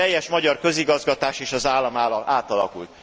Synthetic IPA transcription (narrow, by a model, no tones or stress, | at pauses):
ɛjːɛʃmɒɟɒrkø̞ziɡɒzɡɒt̪aːʃeːʃɒzaːlːɒmːlaːt̪ɒlɒ̰kṵlt̪